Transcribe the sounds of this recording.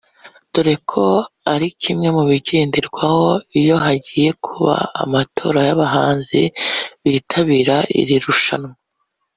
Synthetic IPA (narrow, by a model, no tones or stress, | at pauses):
d̥oɾe̞kʰo̞aɾicimŋe̞muβiɟeːndiɾɡwaho̞ijo̞ɦaɟiːje̞kʰuβa̰ːmatʰo̞ːɾajaβaɦaːnziβiːtʰaβiːɾaʔḭɾiɾuʃa̰nwa